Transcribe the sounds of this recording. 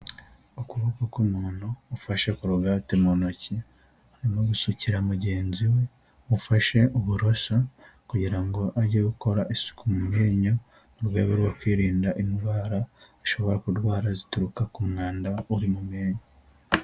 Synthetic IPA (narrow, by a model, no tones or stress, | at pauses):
ukuβokokumuːnhuːfaʃekuɾuɡatemonoci | aɾimoɡusuciɾamuɟe̞ːnziwe̞ | mufaʃe̞ʔuβuɾosakuɟiɾaŋɡo̞ʔaɟieɡuko̞ɾaʔisu̥kumumeːɲo | uɾwe̞ːβeɾwokwiːɾiːndaʔindwaːɾaː | ʃo̞βo̞ɾakudɡwaːɾazituɾukakumŋaːndauɾimume̞ːɲo